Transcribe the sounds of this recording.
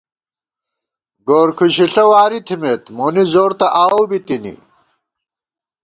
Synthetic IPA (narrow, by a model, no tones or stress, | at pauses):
ɡoːɾkʰuɕiɬɐwaːɾit̪ʰimet̪monizoːɾt̪ɐʔaːwbit̪inḭ